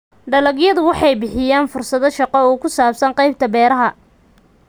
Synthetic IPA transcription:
ɖɐlɐɣjɐðʊwɑħɑjbɪħɪjaːnfʊrsɐðɔʃɑqɔuːkʰʊsaːbsɐŋqɑjb̚t̪ʰɐbɛːɾɐɦɐ

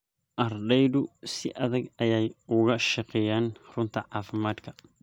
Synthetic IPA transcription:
ʔɐɾdɐjd̪usiʔɐðɐɡɐjajʊɣɐʃɐqɛjanrʊnt̪iʕaːfɪmaːd̪kʰɐ

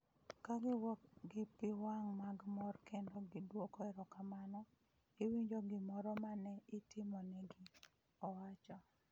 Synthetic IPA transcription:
kaɡɪwɔkɡɪpɪwaŋmaɡmɔrkʰendoɡɪdwokɔɛɾɔkamanɔ | ɪwiɲd͡ʒoɡɪmɔɾɔmanɛɪtɪmɔnɛɡɪ | ɔwat͡ʃɔ

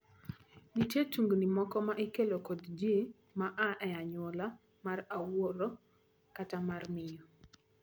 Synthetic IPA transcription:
nitjetuŋɡnimɔkɔmaʔikelokodd͡ʒe | maʔaʔɛaɲwɔla | marawoɾo | katamarmɪjɔ

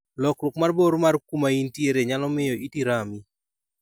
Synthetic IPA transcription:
lɔkɾʊkmarboɾmarkumaintjeɾeɲalɔmɪjɔʔitiɾami

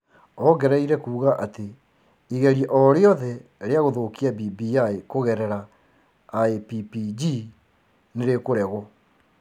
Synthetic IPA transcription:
ɔɡɛɾɛiɾɛkuːɣaʔate | iɣɛɾjeʔɔɾeɔðɛɾeaɣoðokiabibiaekoɣɛɾɛɾaː | epipid͡ʒi | neɾekoɾɛɣɔ

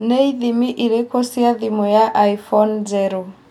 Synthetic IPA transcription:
neiðimiʔiɾɛkɔsiaðimɔjaʔaifɔnzɛɾɔ

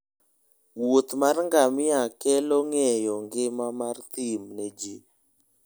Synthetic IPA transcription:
wot̪marŋɡamɪakɛloŋɛjɔŋɡɪmamart̪imned͡ʒi

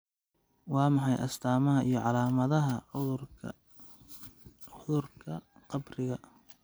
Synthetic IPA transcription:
wɑːmɑħɑjʔɐ̰st̪ʰaːmɐɦɐʔijɞʕɑlaːmɐðɐɦɐ | ʊðʊrkʰɐ | qɑbrɪɣɐ

